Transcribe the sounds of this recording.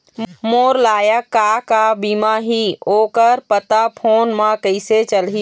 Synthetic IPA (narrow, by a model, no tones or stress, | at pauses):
moːɾlaːjakːakabimaɦioːkəɾpət̪apʰoːnmə̃kəɪset͡ʃəlɦi